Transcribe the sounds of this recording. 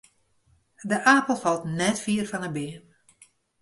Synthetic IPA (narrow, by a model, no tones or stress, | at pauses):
dəʔaːpəl̩ˠfɑlˠtnɛtfiərfɔnəbɪən